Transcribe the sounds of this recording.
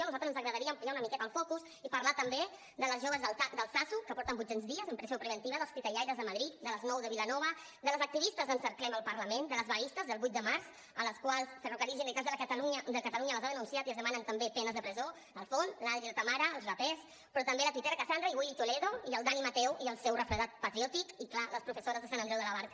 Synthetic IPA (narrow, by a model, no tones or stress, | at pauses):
ʒɔnuzalˠt̪əznzəɣɾəðəɾiəmpuʒaunəmikɛt̪əlˠfɔkus | ipəɾlat̪əmbe | d̪ələzʒoβəzðəlt̪ad̪əlˠsasukəpɔɾt̪əmbutenzðiəzəmpɾəziopɾəβənt̪iβəðəlˠspit̪əʎajɾəzðəməðɾit̪̚d̪ələznɔwðəβilənɔβ̞ə | d̪ələzək̚t̪iβist̪əzənsəɾklɛməlˠpəɾləmend̪ələzβəist̪əzðəlˠβujt̪d̪əmaɾs | ələskwalˠsːərukəɾizinəlˠkazðələkət̪əluɲəd̪əkət̪əluɲələzaðənunsiat̪iəzðəmanənt̪əmbepɛnəzðəpɾəzo | əlˠfonslalɾiðət̪amaɾəːlˠzβəpɛs | pɾɔt̪əmbeləpit̪ɛɾəkəsand̪ɾəiβuʎt̪ulɛðoiəlˠd̪animət̪ɛwiəlˠsɛwrəfɾəðat̪̚pət̪ɾiɔt̪ikiklaləspɾufəsoɾəzðəsanənd̪ɾɛwðələβ̞aɾk